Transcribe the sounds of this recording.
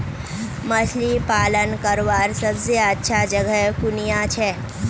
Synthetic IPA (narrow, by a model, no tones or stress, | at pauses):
məslipaːlənkəɾʋaɾsəbseətːʃʰad͡ʒəɡəɦkʊnijat͡ʃʰɛː